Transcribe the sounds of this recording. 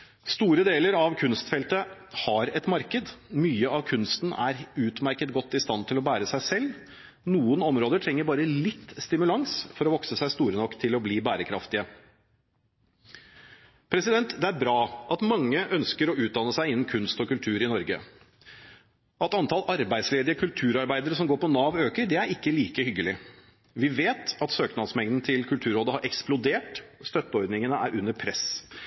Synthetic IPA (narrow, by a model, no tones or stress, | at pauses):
st̪uːɾəd̪eːləɾɑʋkʰʉnst̪fɛlt̪əhɑɾɛt̪mɑɾkəd̪myːəʔɑʋkʰʉnst̪n̩ʔæ̰ɾʉːt̪mæɾkət̪̚ɡɔt̪ːɪst̪ɑnt̪ʰɪlɔbæːɾəsæɪsɛlː | nuːənɔmɾoːd̪əʈʰɾɛŋːəɾbɑːɾəlɪt̪ːst̪ɪmʉlɑŋsfɔɾɔʋɔksəsæɪst̪uːɾənɔkːt̪ʰɪlɔbliːbæːɾəkʰɾɑ̰ft̪ɪə | pʰɾɛsɪd̪ɛnt̪d̪ɛæɾbɾɑːʔɑt̪mɑŋːəʔœnskəɾɔʉːd̪ɑnəsæɪɪnːn̩kʰʉnst̪ɔkʉlt̪ʰʉːɾɪnɔɾɡə̰ | ʔɑt̪ɑnt̪ʰɑlɑɾbæɪd̪sleːd̪ɪəkʰʉlt̪ʰʉːɾɑɾbæɪd̪əɾəsɔmɡoːɾpʰɔnɑːʋøːkəɾɖɛæɾɪkːəliːkəhʏɡːəlɪ | ʋɪʋeːt̪ɑt̪søːknɑd̪smɛŋd̪n̩t̪ʰɪlkʰʉlt̪ʰʉːɾoːd̪əhɑɾʔɛksplʊd̪eːʈst̪œt̪ːəɔɾd̪nɪŋənəʔæ̰ːɾʉnːəɾpʰɾɛs